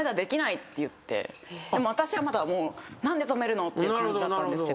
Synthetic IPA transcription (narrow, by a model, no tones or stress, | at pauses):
ed̪ad̪e̞kʲinait̪ːe̞jɯ̟t̪ːe̞̰d̪e̞mo̞β̞at̪aɕiβamad̪amo̞ːnãnd̪e̞t̪o̞me̞ɾɯ̟no̞t̪ːe̞jɯkaɲd͡ʑid̪at̪ːãd̪esɨke